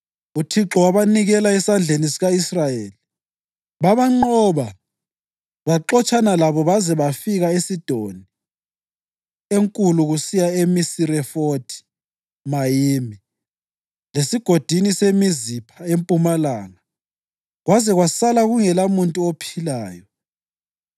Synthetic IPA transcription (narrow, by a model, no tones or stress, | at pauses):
utʰiǁɔwaβaniɣɛlaɛsand͡ɮʱenisiɣaisrajeːli | βaβaŋ͡ǃɔːβa | βaǁɔt͡ʃʼanalaβɔβazɛβafiɣaesid̥ʱoni | eŋkʼuluɣusijaemisirɛfod̥ʰʱi̥ | majiːmi | lesiɡ̥ʱod̥ʱinisemizipʰaempʼumalaŋa | ɣwazɛɣwasalaɣuŋɛlamuntʼuopʰilaːjɔ